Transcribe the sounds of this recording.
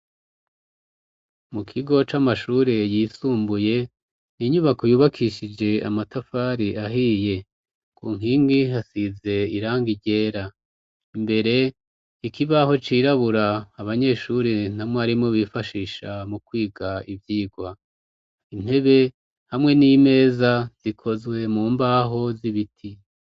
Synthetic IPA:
mukʰiɡo̞t͡ʃamaʃuɾe̞jiːsuːmbuje̞ | niɲuβako̞juːβakʰiʃid͡ʒe̞a̰matafaɾiʔaɦiːje̞ | kʰuːŋ̥ɦiːŋɡiɦasize̞iɾaːŋɡiɟe̞ːɾa | imbe̞ɾe̞ | ikiβaho̞t͡ʃiːɾaβuɾaːβaɲe̞ːʃuɾin̥hamŋaɾimŋoβiːfaʃiːʃamukwiːɡaivjiːɡwa | in̥he̞βe̞ | hamŋe̞nime̞ːzaz̥ikʰo̞zwe̞muːmbaɦo̞ziβitʰi

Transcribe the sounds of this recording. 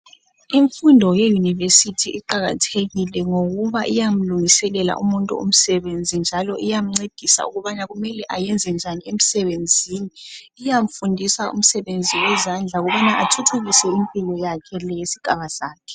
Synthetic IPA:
iɱfundʱɔjɛjunivesitʰiʔiǃaɣa̰tʰeɣilɛŋoɣuβaʔijam̩luŋisɛlɛla̰ʔumuntʼṵo̰m̩sɛβend͡zʱind͡ʒʱalɔʔijam̩ŋ͡ǀed̥ʱisa̰ṵɣuβanaɣumɛlɛʔajɛnd͡zʱɛnd͡ʒʱaniem̩sɛβend͡zʱiːniː | jam̩fundʱisaṵm̩sɛβend͡zʱiwɛzand͡ɮʱauɣuβanaʔatʰutʰuɣisɛimpʼilɔjakʰɛlɛjesiɡ̥ʱaβazaːkʰɛ̥

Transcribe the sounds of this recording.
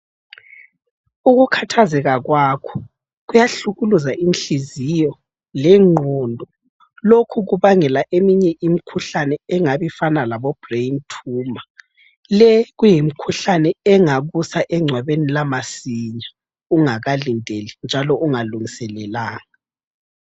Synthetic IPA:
uɣukʰatʰazɛɣaɣwakʰɔ̥ | ɣujaɬuɣuluzaʔinɬizijɔ | lɛŋ͡ǃʱɔndʱɔ | lokʰuɣuβaŋɛlaʔemiɲɛʔimikʰuɬanɛɛŋaβifanalaβɔb̥reintʰuːma | lɛɣujimikʰuɬanɛɛŋaɣusaʔɛŋ͡ǀʱwaβenilamasiɲa | uŋaɣalindʱelind͡ʒʱalɔʔuŋaluŋisɛlɛlaːŋa

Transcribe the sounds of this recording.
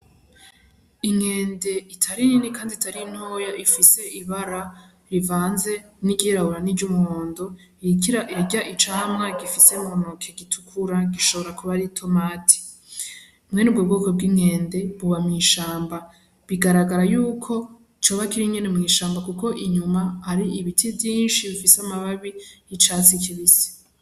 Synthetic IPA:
iŋe̞ːnde̞itʰaɾininikaːnditaɾin̥hoːjaʔifise̞ʔiβaɾa | ɾivaːnze̞niɡɟiɾahuɾanid͡ʒɟumuhoːndo̞ | iɾaʔiɟaʔit͡ʃaːmŋaɡifise̞monokʰeɡitʰu̥kʰuɾaɡiʃo̞βo̞ɾakuβaɾitʰo̞maːtʰi̥ | umŋe̞nub̚ɡobɡoːkob̚ɡiŋeːnde̞βuβamŋiːʃaːmba | βiɡaɾaɡaɾajuːkʰo̞ | it͡ʃoːβakiɾiɲenemŋiːʃaːmbakuko̞ʔiɲumaaɾiiβitʰivjiːnʃiβifiseamaβaβijit͡ʃat͡sikʰiβise̥

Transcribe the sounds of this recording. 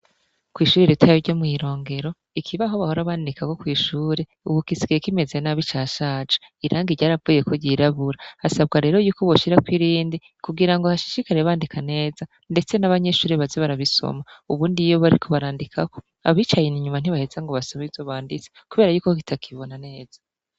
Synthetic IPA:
kwiːʃuːɾeɾetʰajoɾɟomŋiːɾo̞ːŋɡe̞ɾo̞ | ikʰiβaɦo̞βaho̞ɾaβaːndikako̞kwiːʃuːɾe | uβukisiɡajekime̞zenaβit͡ʃaʃaːd͡ʒḁiɾʔaːŋɡiɾɟaːɾavuːje̞ko̞ɟiɾaβuɾaasab̚ɡaɾe̞ːɾo̞juːko̞βoʃiɾakwiɾiːndi | kuɡiɾaŋɡohaʃi̥ʃikaɾeβaːndikʰane̞ːza | nde̞t͡se̞naβaɲe̞ʃuːɾeβazeβaɾaβiso̰mauβuːndijo̞βaɾikʰo̞βaɾaːndikʰako̞ | aβiːt͡ʃajeniɲuman̥iβahezaŋɡoβasoβizoβaːndit͡se̥kuβe̞ːɾajuːkok̬i̥takʰiβo̞nane̞ːz̥a

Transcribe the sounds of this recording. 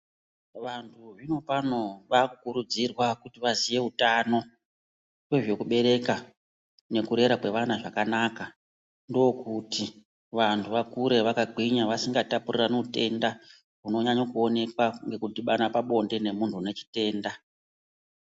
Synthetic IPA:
ʋantʰuʐino̞pano̞ʋakukuɾud͡zirwakutiʋazije̞utano̞ | kweʐe̞kuɓe̞ɾe̞ka | ne̞kuɾe̞ɾakwe̞ʋanaʐakanaka | ndookuti | ʋantʰuʋakuɾe̞ʋakaɡʱiɲaʋasiŋɡatapuriranoute̞nda | uno̞ɲaɲokuo̞ne̞kwaŋɡe̞kudiɓanapaɓo̞nde̞ne̞muntʰune̞t͡ʃi̥te̞ːnda

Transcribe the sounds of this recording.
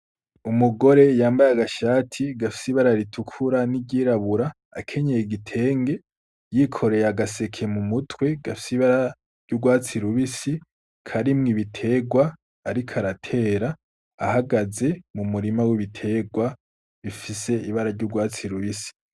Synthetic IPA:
umuɡo̞ɾe̞jaːmbajaɡaʃaːtʰiɡafi̥siβaɾaɾitʰukʰuɾaniɟiːɾaβuɾaː | kʰe̞ɲejiɡitʰe̞ːŋɡe̞ | jikʰo̞ɾe̞jaɡase̞kʰe̞mumutʰwe̞ɡ̥afi̥seiβaɾa | ɾɟ̥uɡwaːt͡siɾuβisi | kʰaɾimŋiβitʰe̞ːɡwaː | ɾikʰaɾatʰe̞ːɾaː | haɡaze̞mumuɾimawiβitʰe̞ɡwa | βifise̞iβaɾaɾɟuːɡwaːt͡siɾuβisi̥

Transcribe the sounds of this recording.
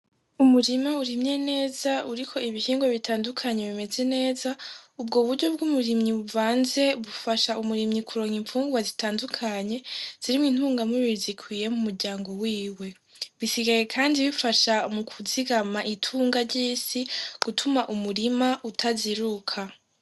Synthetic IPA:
umuɾimauɾimɲe̞ne̞ːzauɾikʰo̞iβihiːŋɡwoβitʰaːndukʰaɲe̞βime̞ze̞ne̞ːzaub̚ɡoβuɾɟo̞b̚ɡumuɾimɲiβuvaːnze̞βufaʃaʔumuɾimɲikʰuɾo̞ːŋiɱfuːŋɡuwazitaːndukʰaɲe̞z̥iɾimwin̥huːŋɡamuβiɾzikʰwiːje̞mumuɾɟaːŋɡo̞wiːwe̞ | βisiɡaje̞kʰaːndiβifaʃamukʰuziɡamaʔitʰuːŋɡaɾɟiːsiɡ̥utʰumaʔumuɾimaʔutʰaziɾukʰa

